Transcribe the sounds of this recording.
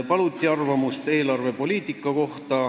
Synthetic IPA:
pɑlut̪ʲːˑiɑrvɑmust̪e̞ːlɑrve̞po̞lʲiːt̪ˑikːˑɑko̞ht̪ɑ

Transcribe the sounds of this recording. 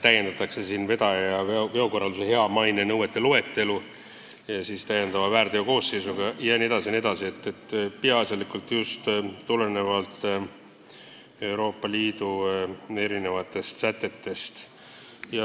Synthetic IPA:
t̪æjend̪ɑt̪ːˑɑkse̞siːnve̞d̪ɑjɑeve̞o̞ko̞rːɑld̪usehe̞ɑmɑjnenɤwet̪ːˑe̞loe̞t̪ːe̞lu | jɑsiːst̪æje̞nd̪̥ɑvɑvæːrd̪̥eoko̞ːsːe̞jsuɡ̥ɑjɑnʲie̞d̪ɑsine̞d̪ɑsiet̪ːet̪ːpiɑsɑlikult̪just̪t̪ːule̞ne̞vɑlt̪ːˑ | e̞wɾo̞ːpˑːɑliːd̪̥ue̞ɾine̞vɑt̪ːˑe̞st̪sæt̪ːˑe̞t̪ːe̞st̪ | jɑ

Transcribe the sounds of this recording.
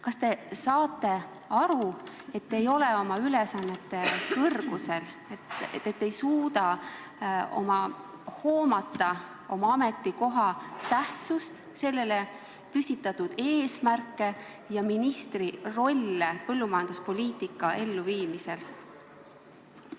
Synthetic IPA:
kɑst̪e̞sɑːt̪ˑːe̞ | ɑɾu | e̞t̪ːe̞jo̞leo̞mɑylesɑnːe̞t̪ːˑe̞vɤrɡ̥use̞l | eet̪ːe̞jsuːd̪ɑ | o̞̰mɑ | ho̞ːmɑt̪ːˑɑ | o̞mɑɑme̞t̪ːiko̞ɦɑt̪æht̪sust̪ | se̞lːe̞le̞ | pysʲt̪it̪ːˑɑt̪ːud̪̥e̞ːsmærkːˑe̞ | jɑminist̪riro̞lʲːepɤlːumɑjɑnd̪̥uspo̞lʲiːt̪ːˑikːˑɑe̞lːuviːmise̞l

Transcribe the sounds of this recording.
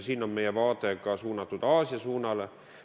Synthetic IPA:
siːno̞nme̞jevɑːt̪ˑe̞ɡɑsuːnɑt̪ːˑud̪̥ɑːsiɑsuːnɑle

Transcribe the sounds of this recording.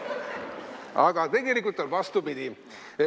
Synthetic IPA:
ɑɡɑt̪eɡelikːut̪ːelʋɑst̪upid̪i

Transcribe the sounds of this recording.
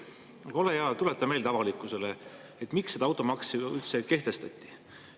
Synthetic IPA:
ɑkolejɑːt̪ule̞t̪ːˑɑme̞ːlt̪ɑvɑlikːˑuse̞le | et̪ːˑmiksːed̪ɑɑwt̪ːˑomɑksiylt̪seke̞ht̪e̞st̪ɑt̪ʲˑːi̥

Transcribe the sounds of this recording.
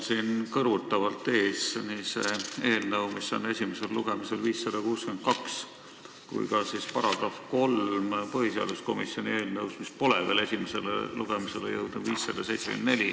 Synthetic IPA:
sinkɤrut̪ːˑɑvɑlt̪ːˑeːsniseeːlnɤwmisːɑnːe̞sʲimese̞lluɡ̥e̞mise̞lviːsːɑd̪̥ɑkuːskymet̪̚kɑks | kṵjkɑsispɑɾɑɡ̥ɾɑfko̞lmpɤhiseɑ̰d̪usko̞misio̞nʲie̞ːlnɤwsmispo̞levele̞sʲimese̞lḛluɡ̥emise̞lḛjɤwd̪̥nub̥viːsːɑd̪̥ɑsejt̪seky̰nd̪ne̞lʲi

